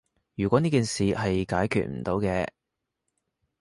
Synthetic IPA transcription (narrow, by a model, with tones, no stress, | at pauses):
jyː˨˩kʷɔː˨˥niː˥kiː˨˧nsiː˨hɐ˨jkaː˨˥jkʰy̰˨t̚m̩̰˨˩t̪o˨˧wkɛː˧